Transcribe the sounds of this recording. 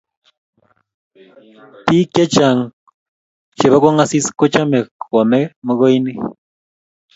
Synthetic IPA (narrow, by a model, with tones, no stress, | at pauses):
t̪ike˦t͡ʃaŋ | t͡ʃe˨βa˦ka˦ŋasi˦skʊ˦t͡ʃa˦me˨kwa˨me˦məɣo˦jni˦